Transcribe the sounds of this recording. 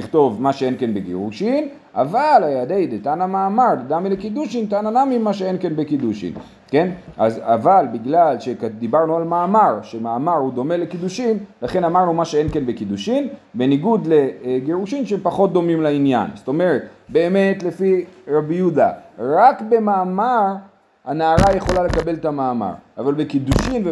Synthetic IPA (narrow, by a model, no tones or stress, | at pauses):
iχt̪o̞vmaʃee̞nke̞nbeɡḛʁuʃim | ʔavalajad̪e̞jdet̪anamaːmaʁdamilekid̪uʃint̪ananamimːaʃ̬eenke̞nbe̞kid̪uʃḭm | ke̞nazavalbiɡlalʃekd̪ibaʁnualmaːmaʁʃemaːmaʁhud̪o̞me̞lekid̪uʃimlaχe̞namaʁnumaʃee̞nke̞nbekid̪uʃimbe̞niɡud̪le̞ɡeʁuʃimʃeempaχo̞t̪̚d̪o̞mimlainja̰nst̪o̞me̞ʁet̪be̞ːme̞tle̞fiʁabijud̪a̰ʁakbe̞maːmaʁ | hanaːʁaje̞χo̞lalekabe̞let̪amaːma̰ʁavalbekid̪uʃimve